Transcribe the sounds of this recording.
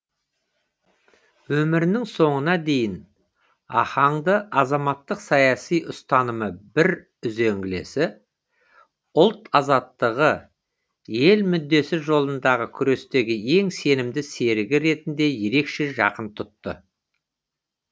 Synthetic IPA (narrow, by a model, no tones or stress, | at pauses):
wɵmɪɾɪnɪŋso̞ɴənɑd̪e̞jɪn | ɑ̰χɑɴd̪əɑzɑmɑt̪ːəqsɑjɑsijʔʊst̪ɑnəməbɪɾ | ʏze̞ŋɡʲɪle̞̰sɪ | ʊlˠt̪ɑzɑt̪ːəʁə | je̞lmʏd̪ːe̞sɪʒo̞lˠənd̪ɑʁəkʲʰʏɾe̞st̪e̞ɡʲɪe̞ŋse̞nɪmd̪ɪse̞ɾɪɡʲɪɾe̞t̪ɪnd̪e̞je̞ɾe̞kʃe̞ʒɑ̰qənt̪ʰʊt̪ːə̰